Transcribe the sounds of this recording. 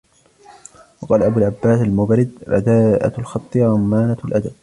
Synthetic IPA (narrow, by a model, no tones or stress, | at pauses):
wɑqɑːlaʔabuːlʕabːaːsalmʊbɾɪd̪̚ba̰d̪aːʔa̰lxɑt̪ˤːɨɾˤɑmːaːnalʔad̪ab̚